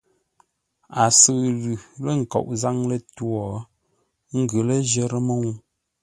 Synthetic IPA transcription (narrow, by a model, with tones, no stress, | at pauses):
a˨sə˨lʉ˨lə˦˨ŋ̩˨kɔ̰˨ʔza˦ŋlə˦twɔ˨˦ | ŋ̩˦ɡə˨lə˦ʒə˦ɾə˦mə˦ŋu˦m